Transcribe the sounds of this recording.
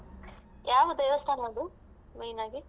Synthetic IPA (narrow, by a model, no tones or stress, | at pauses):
jaːʋɐd̪ɐjʋɐst̪ʰaːnad̪u | mejnaːɡi